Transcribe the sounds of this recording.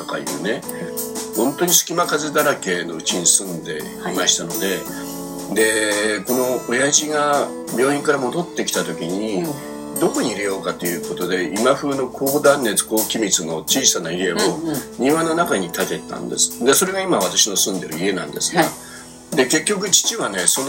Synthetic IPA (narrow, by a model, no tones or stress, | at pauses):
t̪oka̰jɯ̟̰ːne̞ | hõ̞nt̪o̞ɲ̟isɨ̥kʲimakazed̪aɾake̞ːno̞ɯ̟t͡ɕiɲ̟isɨ̃nd̪e̞̰ | imaɕi̥t̪ano̞d̪e̞ | d̪e̞ko̞no̞ojaʑiɡa | bʲo̞ːɲĩŋkaɾamo̞d̪o̞t̪ːe̞kʲi̥t̪at̪o̞kʲiɲ̟i | d̪o̞ko̞ɲ̟iiɾe̞jo̞ːkat̪ːo̞jɯ̟ːko̞t̪o̞d̪e̞imaɸɯːno̞kʰo̞ːd̪ãnːe̞t͡sɨ̥ko̞ːkʲimʲit͡sɨno̞t͡ɕiːsanaie̞oɲĩβanːonakaɲ̟it̪at̪e̞t̪ã̰nd̪e̞̰sɨ̥d̪e̞soɾe̞ɡaimaβ̞at̪aɕino̞sɨ̃nd̪e̞ɾɯ̟ie̞nã̰nd̪e̞sɨ̥ɡa | d̪e̞ke̞kʲːo̞k̬ɯ̟t͡ɕi̥t͡ɕiβane̞son